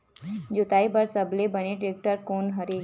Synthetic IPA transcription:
d͡ʒʊt̪aːibəɾsəblebəneʈɾeːk̚ʈəɾkoːnɦəɾe

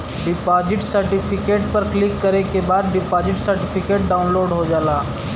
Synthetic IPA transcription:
ɖɪpaːd͡ʒɪʈsɐɾʈɪpʰɪkeːʈpɐɾklɪkːɐɾekebaːd̪̚ɖɪpaːd͡ʒɪʈsɐɾʈɪpʰɪkeːʈ̚ɖaːʊnloːɾɖɦod͡ʒaːlaː

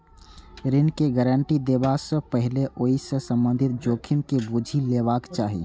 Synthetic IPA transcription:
ɾɪnkeɡɛɾəɳʈid̪ebasə̃pəɦleʔoːisə̃sə̃mbə̃nd̪ʱɪt̪̚d͡ʒoːkʰɪmkebud͡ʒʱileːʋaːkt͡ʃaːɦḭː

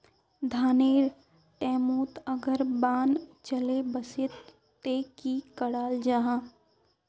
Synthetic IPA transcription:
d̪ʱaːneːɾ | ʈɛːmuːt̪ɐɡəɾbaːnt͡ʃəlebəsɪt̪ | t̪ekikəɽaːld͡ʒaːɦãː

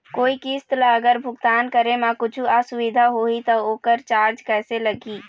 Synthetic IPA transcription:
koːikiːst̪laɐɡəɾbʱʊɡt̪aːnkɐɾemãkʊt͡ʃʰuaːsʊʋɪd̪ʱaɦoːit̪ɔoːkəɾt͡ʃaːɾd͡ʒkɛːselɐɡiː

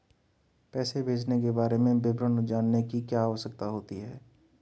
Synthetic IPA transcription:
pɛːsebʱeːd͡ʒnek̬ebaːɾemẽbɪbɾənud͡ʒaːnːekikjaːʋəʃək̚t̪aɦoːt̪iɦɛː

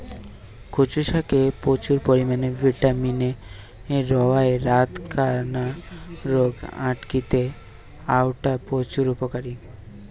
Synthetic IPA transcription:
kʰot͡ɕuʃakepot͡ɕuɾpoɾimanevʱiʈamineː | ɾɔaeɾat̪kʰaɾnaɾoɡaʈkit̪e | awʈapot͡ɕuɾupokaɾi

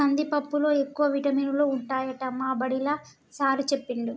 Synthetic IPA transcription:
ɐnd̪ipɐpːulo̞ːekːuʋɐʋiʈɐmiːnuloːuɳʈaːjɐʈɐmːaːbɐɽilɐ | saːɾut͡ʃepːiɳɖu

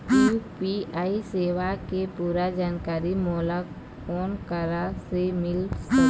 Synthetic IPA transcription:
upiaːiseːʋakepuːɾad͡ʒaːnkaːɾimɔːla | ɔːnkaɾasemɪls

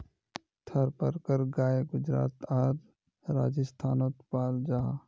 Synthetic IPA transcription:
t̪ʰəɾpəɾkəɾɡaːeɡʊd͡ʒɾa̰ːt̪aːɾ | ɾa̰ːd͡ʒəst̪ʰaːnoːt̪paːld͡ʒaː

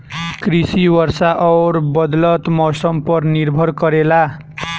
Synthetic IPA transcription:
krisiwʌɾsaʔʌwɾbʌd̪lʌt̪mɔsʌmpʌrniɾbʱʌɾkʌɾela

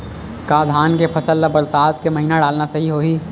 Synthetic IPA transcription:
kaːd̪ʱaːnkepʰɐsəlːɐbɐɾsaːt̪kemɐɦiːnaɖaːlnasɐɦiɦoːɦiː

